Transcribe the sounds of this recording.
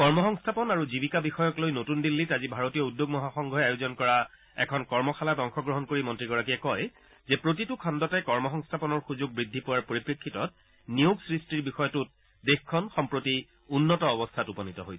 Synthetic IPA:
kɔɹmɔxɔŋstʰapɔnaɹuzibikabixɔjɔklojnotundilːitazibʱaɹotijɔudjoɡmɔɦaxɔŋɡʱɔɦɛajozɔnkɔɹa | ɛ̰kʰɔnkɔɹmɔxʰalatɔŋxɔɡɹɔɦɔnkoɹimɔntɹiɡɔɹakijɛkɔj | zɛpɹotitukʰɔndɔtɛkɔɹmɔxɔŋstʰapɔnɔɹxuzuɡ̚bɹidʱːipʊwaɹpoɹipɹekʰːitɔt̚ | nijoɡsɹistiɹbixɔjɔtʊt̚ | dexkʰːɔnxɔmpɹoti | unːɔtɔːbɔstʰatupɔnitɔɦojsɛ

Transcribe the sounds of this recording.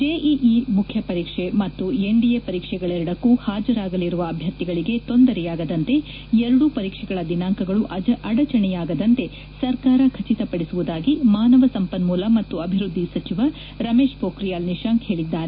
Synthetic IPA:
d͡ʒeːʔiʔimukʰjɐpɐɾiːkʂemɐt̪ːueɳɖijepɐɾiːkʂɛɡɐɭeɾɐɽɐkːuhaːd͡ʒɐɾaːɡɐliɾuʋɐːbʱjɐɾt̪iɡɐɭiɡe̞t̪o̞nd̪ɐɾɛjaːɡɐd̪ɐnt̪e̞ | ɛɾɐɽupɐɾiːkʂɛɡɐɭɐd̪inaːŋkɐɡɐɭuʔɐɐɽɐt͡ʃɐɳɛjaːɡɐd̪ɐnt̪e̞ | sɐɾkaːɾɐkʰɐt͡ʃit̪ɐpɐɽisuʋud̪aːɡimaːnɐʋɐsɐmpɐnmuːlɐmɐt̪ːuɐbʱiɾud̪ʱːisɐt͡ʃiʋɐ | ɾɐmeːʂpoːkɾijaːlniʃaːŋkhe̞ːɭid̪ːaːɾe

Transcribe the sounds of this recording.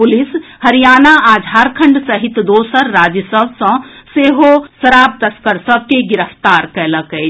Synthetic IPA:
pulishəɾijaːnaad͡ʒʱaɾkʰəɳɖsəɦit̪d̪oːsəɾːad͡ʒjəsəbsə̃seɦosəɾab̚t̪əskəɾsəb̚ʱkeɡiɾəpʰt̪aɾkɛləkɛ

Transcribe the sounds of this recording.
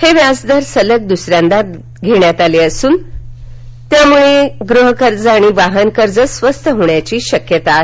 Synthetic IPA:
heʋjad͡zd̪əɾsələk̚d̪usɾjãnd̪at̪ | ɡʱeɳjat̪aleəsuːn | t̪jamuɭeɡɾuɦəkəɾd͡zaɽ̃iʋaɦənkəɾd͡zəsʋəst̪ʰəɦoɳjat͡ɕiːɕəkjət̪a

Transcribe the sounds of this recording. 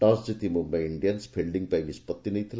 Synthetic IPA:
ʈãːsd͡ʑit̪imumɐ̃iɳɖijɐnspʰelɖiŋɡ̚pɐjmispɐt̪ːinɐjt̪ʰil

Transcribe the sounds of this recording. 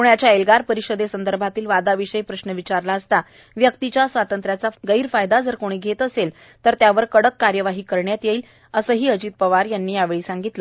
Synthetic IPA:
puɳjat͡ɕjaelɡaɾpəɾiɕəd̪esənd̪əɾbʱat̪iːlʋad̪aʋiɕəjpɾəɕnəʋit͡ɕaɾlaəst̪a | ʋjək̚t̪it͡ɕjasʋat̪ənt̪ɾjat͡saɡəiːɾfajd̪ad͡zəɾkoɽ̃iːɡʱet̪əsel | t̪əɾt̪jaʋəɾkəɽəkːaɾjəʋaɦiːkəɾɳjat̪jeiːl | əsəːɦiːəd͡ʑiːt̪̚pəʋaɾjanːiːjaʋeɭiːsãŋɡit̪lə

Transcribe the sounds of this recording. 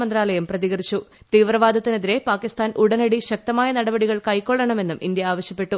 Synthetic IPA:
mɐnd̪ɾaːlɐjɐmprɐðiɣɐrit͡ɕːu | t̪iːʋrɐʋaːd̪ʱɐt̪ːineðiɾe̞paːkist̪aːnʔuɽɐnɐɽiɕɐk̚t̪ɐmaːjɐnɐɽɐbɐɽiɣɐɭkɐjkːoːɭːɐɳɐme̞nːumind̪jɐaːʋɐɕjɐpːe̞ʈːu

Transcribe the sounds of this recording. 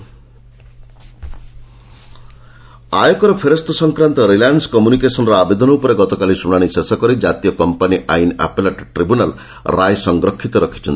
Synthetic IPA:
ajɔkɔɾɔpʰeɾɔst̪ɔsɔŋkɾant̪ɔɾilanɖskɔmjunikesɔnɔɾɔabed̪ɔnɔupɔɾeɡɔt̪ɔkalisuɽ̃aɽ̃isesɔkɔɾid͡ʒat̪iɔkɔmpaniʔa̰jna̰peleʈʈɾibunal | ɾajsɔŋɡɾɔkʰːit̪ɔɾɔkʰi̥t͡ʃʰɔnt̪i̥

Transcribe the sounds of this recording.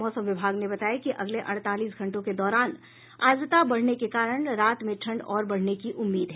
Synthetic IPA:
ɔːsə̃mʋɪbʱaːɡnebɐt̪aːekiʔɐɡleʔɐɽ̃t̪aːliːsɡʱɐ̃ɳʈõked̪ɔːɾaːn | a̰ːzt̪abɐɽ̤nekekaːɾəɽ̃ɾaːt̪mẽʈʰɐ̃ɳɖɔːɾbɐɽ̤nekiʔʊmːiːd̪ɦɛː

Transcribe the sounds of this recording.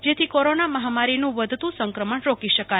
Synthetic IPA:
d͡ʒet̪ʰikoɾonaməɦamaɾinũʋəd̪ʱt̪ũsəŋkɾəməɳɾokiʃəka

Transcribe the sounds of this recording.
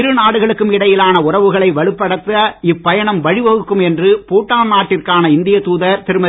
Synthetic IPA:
ɾɯnaːɽɯɣɐɭɯkːɯmɪɽɐjɪlaːnɐʊrɐʋɯɣɐɭɐɪʋɐɭɯpːɐɽɐt̪ːɐɪpːɐjɐɳɐmʋɐɻɪʋɐɣɯkːɯmɛndrɯpoːʈːaːmnaːʈːɪrkaːnɐɪnd̪ɪjɐt̪uːðɐɾt̪ɪɾɯmɐ

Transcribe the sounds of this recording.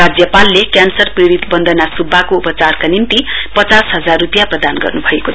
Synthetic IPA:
ad͡zjʌpalːekjansʌrpriɾit̪bʌnd̪ʱʌnasubʱːakoupʌt͡sarkanint̪ipʌt͡sasɦʌd͡zarːupijaprʌd̪anɡʌ̰rnubʱʌeko

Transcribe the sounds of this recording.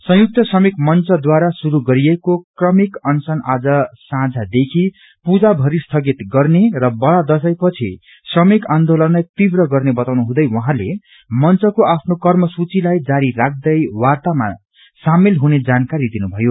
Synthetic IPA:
sʌ̃juk̚t̪ʌsʌmikmʌnt͡sʌd̪waɾasuɾuɡʌɾiekokrʌmikʌnsʌnad͡zʌsãd͡zʱad̪ekʰi | pud͡zabʱʌɾist̪ʰʌɡit̪ɡʌrnerʌbʌɭad̪ʌsʌjpʌt͡sʰḭ | srʌmikand̪olʌnlajt̪ibrʌɡʌrnebʌt̪awnuɦũd̪ʌjwʌɦãle | mʌnt͡sʌkoapʰnokʌrmʌsut͡silajd͡zaɾirak̚ʰd̪ʌjwart̪ama̰ | samilɦuned͡zankaɾid̪inubʱʌjo

